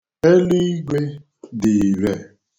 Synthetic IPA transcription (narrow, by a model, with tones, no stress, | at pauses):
e˦li˦ɡʷe˦ | dɪ˨ɾe˨